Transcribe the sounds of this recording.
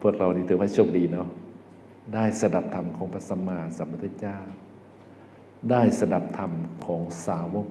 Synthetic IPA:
pʰu˥˩ək̚la˧wniː˧˩t̪ʰɯː˨˦mha˧˩jt͡ɕʰo˧˩p̚diː˨˩nɔ˧˩ | daː˥˩jsa˧da˨˧˩p̚t̪ʰa˧˩mkʰɔː˩˦ŋpʰa˧t̪̚sa˧maː˧˩sa˨˦mpʰa˧t̪ʰa˧t͡ɕaː˥˩ | daː˥˩jsa˧da˨˧˩p̚t̪ʰa˧˩mkʰɔː˩˦ŋsaː˨˦wɔː˧˥˨

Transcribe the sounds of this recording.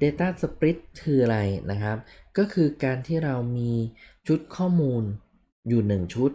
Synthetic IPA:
deː˧t̪aː˥˩sa˧pɾi˦˥t̪ʰːɯː˧ʔa˧ɾa˧jna˦˥kʰɾa˦˥p̚kɔː˥˩kʰɯː˧kaː˧nt̪ʰiː˥˩ɾa˧wmiː˧t͡ɕʰu˦˥t̪̚kʰɔː˥˩muː˧n | juː˨˩nɯ˨˩ŋt͡ɕʰu˦˥t̪̚

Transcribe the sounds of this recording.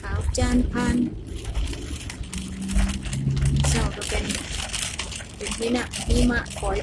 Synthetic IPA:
kʰaː˨˦wt͡ɕaː˧˥npʰaː˧n | sa˧˩wka˧˩pe˨n | pe˨nme˧na˧˨ʔmiː˧ma˧ʔkʰɔː˨˦

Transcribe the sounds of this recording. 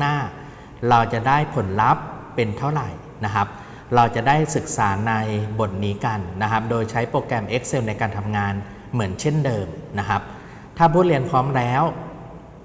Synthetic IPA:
aː˥˩ | ɾa˧wt͡ɕa˨˩daː˥˩jpʰo˩˦nla˦˥pː | e˧nt̪ʰa˥˩wɾa˨˩j | na˦˥kʰa˦˥p̚ | ɾa˧wt͡ɕa˨˩daː˥˩jsɯ˨˩k̚saː˩˦na˧jbo˨˩t̪̚niː˦˥ka˧nːa˦˥kʰa˦˥p̚doː˧jt͡ɕʰa˦˥jpɾoː˧kɾɛː˧mʔe˦˥k̚se˧wna˧jkaː˧nt̪ʰa˧mŋaː˧n | mɯ˩˦ənt͡ɕʰe˥˩ndɤː˧mna˦˥kʰa˦˥p̚ | t̪ʰaː˥˩pʰuː˥˩li˧ənpʰɔː˦˥mɾɛː˦˥w

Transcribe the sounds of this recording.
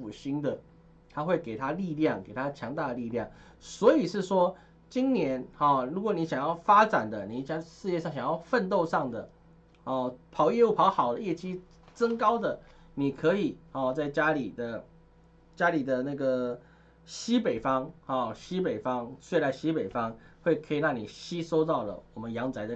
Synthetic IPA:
u˨˩ɕi˥nd̪ə˨ | t̪ʰa˥xwe˥˩ɪke˨˩ɪt̪ʰa˦˥li˥˧ljɑ˥˩ŋke˨˩ɪt̪ʰa˥t͡ɕʰjɑ˧˥ŋt̪a˥˩d̪ə˩li˥˧ljɑ˥˩ŋ | swɔ˧˥i˨˩ʂɻ̩˥˩ʂwɔ˥ | t͡ɕi˦nnjɛ˧˦nhɔ˨˩ɻu˧˥kwɔ˨˩ni˧˥ɕjɑ˨˩ŋjɑ˥˩ʊfa˥ʈ͡ʂa˨˩nd̪ə˨ni˨˩ɕʂɻ̩˥˧jɛ˥˧ʂɑ˥˩ŋɕjɑ˨ŋjɑ˥˧ʊfə˥˧nt̪o˥˧ʊʂɑ˥˩ŋd̪ə˩ | hɔ˥˩pʰɑ˨˧˥ʊjɛ˥˧u˥˩pʰɑ˧˥ʊxɑ˨˩ʊd̪ə˦jɛ˥˩t͡ɕi˥ | ʈ͡ʂə˥ŋkɑ˥ʊd̪ə˨ | ni˨˩kʰɤ˧˥i˨˩hɔ˨˩t͡sa˥˩ɪt͡ɕja˥li˨˩d̪ə˨ | t͡ɕja˥li˨˩d̪ə˦na˥˩ɡə˩ | ɕi˦˥pe˨˩ɪfɑ˦ŋhɔ˥˨˩ɕi˦pe˨˩ɪfɑ˦ŋt͡ɕwe˥˩la˧˥ɪɕi˦˥pe˨˩ɪfɑ˦ŋxwe˥˩ɪkʰɤ˧˦˥i˨˩lɑ˥˩ŋni˨˩ɕi˥so˥ʊt̪̬ɑ˥˩ʊlə̰˩wɔ˨˩mə˦njɑ˧˥ŋt͡sa˧˥ɪə˨

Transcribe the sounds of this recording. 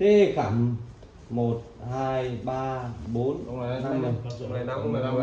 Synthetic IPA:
t̪e˨˩xaː˧˩m | mo˨˩t̚haː˧jɓaː˧ɓo˨˦n˧˨˧na˧mɨ˨˩ŋ˨˧˦

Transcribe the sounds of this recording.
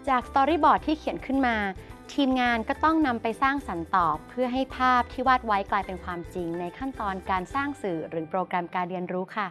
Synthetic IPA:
t͡ɕaː˨˩k̚st̪ɔː˧ɾiː˥˩bɔː˨˩t̪ʰːiː˥˩kʰi˩˦ənkʰɯ˥˩nmaː˧t̪ʰiː˧mŋaː˧nkɔː˥˩t̪ɔ˥˩ŋna˧mpa˧jsaː˥˩ŋsa˩˦nt̪ɔː˨˩kpʰːɯ˥˩ɐɦa˥˩jpʰaː˥˩p̚t̪ʰiː˥˩waː˥˩t̪̚wa˦˥jklaː˧jpe˧nkʰwaː˧mt͡ɕi˧ŋna˧jkʰa˥˩nt̪ɔː˧nkaː˧nsaː˥˩ŋsɯː˨˩ɾɯː˩˦pɾoː˧kɾa˧mkaː˧nɾi˧ənɾuː˦˥kʰa˥˩

